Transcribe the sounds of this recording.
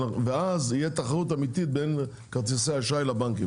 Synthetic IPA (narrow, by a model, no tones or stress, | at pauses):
veazijet̪aχaʁut̪amit̪it̪̚ben | kaʁt͡sisejaʃajlabaŋki